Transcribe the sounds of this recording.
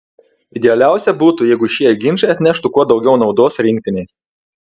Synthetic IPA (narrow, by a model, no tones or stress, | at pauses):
ɪd̪ʲɛɐlʲæˑʊsʲɛbuːt̪ʊjɛɪɡʊʃʲiɛɡʲɪnʲʃɐɪɐt̪ʲnʲæʃt̪ʊkuɔd̪ɒʊɡʲɛʊnɒʊd̪oːsɾʲɪŋʲk̚ʲt̪ʲɪnʲɛɪ